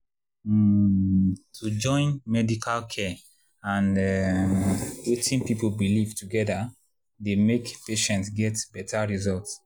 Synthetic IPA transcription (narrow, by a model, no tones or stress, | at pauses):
tʰud͡ʒɔ̃ɪ̃nmɛdikʰalkʰɛ | ãnɛmwetĩnpipolbilivtuɡɛda | demekpeʃɛ̃ntsɡɛtbɛtʰaɹizɔlts